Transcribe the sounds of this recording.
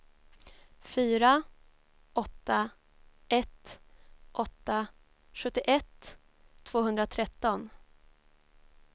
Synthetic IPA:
fyːɾa | ɔt̪ːa | ɛt̪ː | ʔɔt̪ːa | ɧɵt̪ːɪʔɛt̪ʰː | v̥oːɦɵnd̪ɾat̪ʰɾɛt̪ːɔn

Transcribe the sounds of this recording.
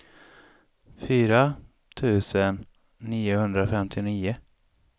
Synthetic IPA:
fyːɾa | t̪ʰʉ̟ːsənː | iːʊhɵnd̪ɾafɛmt̪ʰɪniːʊ

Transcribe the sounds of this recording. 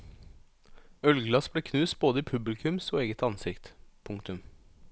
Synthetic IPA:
œlɡlɑsbleːkʰnʉːsboːd̪əiːpʰʉblɪkʰʉmsoːeːɡət̪ɑnsɪkt̪pʰʊŋkt̪ʉm

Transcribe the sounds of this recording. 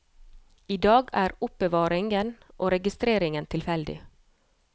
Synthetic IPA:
iːd̪ɑːɡæːɾʊp̚bəʋɑːɾɪŋɡən | ʔoːɾɛɡɪst̪ɾeːɾɪŋənt̪ʰɪlfɛld̪ɪ̰

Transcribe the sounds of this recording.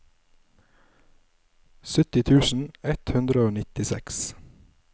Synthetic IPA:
sʏt̪ɪt̪ʰʉːsn̩ɛt̪hʉnd̪ɾəoːnɪt̪ɪsɛ̰ks

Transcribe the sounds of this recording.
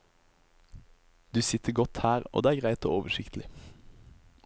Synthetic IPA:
d̪ʉːsɪt̪ʰəɡɔt̪hæːʁo̰ːd̪eːæɡʁæɪt̪o̰ːoːʋəʃɪkt̪ʰl̩ɪ

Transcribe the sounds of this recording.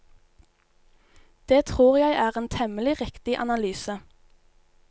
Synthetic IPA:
d̪̥eːt̪ʰʁuːʁjæɪʔæːʁeːnt̪ʰɛməlɪʁɪkt̪ɪʔɑ̰nɑlyːsə

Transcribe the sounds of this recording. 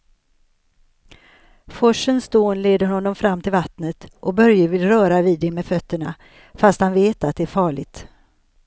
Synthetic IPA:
fɔʂənsd̪oːnleːd̪əɾhɔnːɔmfɾamːt̪ʰɪlvat̪nət̪ʔɔbœɾjəvɪlɾœːɾaviːd̪ːɛmɛːfœt̪ːəɳa | fast̪hanveːt̪at̪̚d̪ɛæɾfɑːɭɪɡt̪

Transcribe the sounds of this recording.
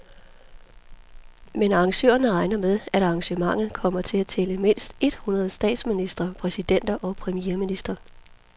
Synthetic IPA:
menɑ̈ːŋɕø̰ːɐnəʁɑ̈ɪnɐmeð̞ˠæɾ̥ɑ̈ŋɕəmɑ̈ŋ̰ð̩ˠkʰɒ̽m̰ɐt͡sʰe̝læt͡sʰeləme̝n̰sd̥e̝d̥hunɐð̞̩ˠsd̥ɛ̰ːd̥sminisd̥ʁɐpʰʁɛsid̥en̰d̥ɐʔɒ̽pʰʁɛmijeɐminisd̥ʁɐ

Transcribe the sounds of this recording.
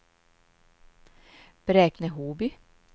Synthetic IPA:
b̥ɾeːknəɦuːbʏ

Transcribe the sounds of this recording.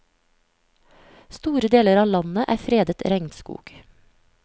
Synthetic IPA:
st̪uːɾəd̪eːləɾɑːlɑnəʔæ̰ːfɾeːd̪ət̪ɾɛŋt̪skṵːɡ̥

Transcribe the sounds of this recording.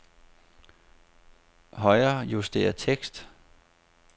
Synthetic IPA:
hɒ̽ɪɐːjusd̥e̝̰ːɐt͡sʰeɡ̥sd̥

